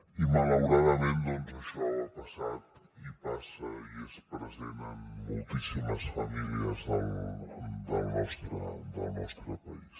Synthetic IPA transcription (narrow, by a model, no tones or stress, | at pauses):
imalawɾaðəmẽnd̪onzəʃɔlpɐsat̪ | ipasəiɛspɾəzenənmulˠt̪isiməsfɐmiliəzðəlˠ | d̪əlˠnɔst̪ɾəd̪ə̰lˠnɔst̪ɾəpais